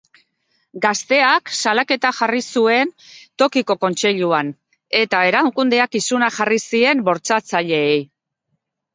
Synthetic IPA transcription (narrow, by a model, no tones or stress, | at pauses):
ɡast̪e̞aksalake̞t̪axarisue̞nt̪o̞kiko̞ko̞nt͡se̞ʎuan | e̞t̪ae̞ɾakund̪e̞akisunaxarisie̞mbo̞ɾt͡sat͡saʎe̞ːj